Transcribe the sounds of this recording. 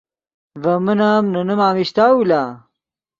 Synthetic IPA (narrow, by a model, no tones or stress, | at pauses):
vɐmɐnamnɐnɐmaːmiɕt̪aːula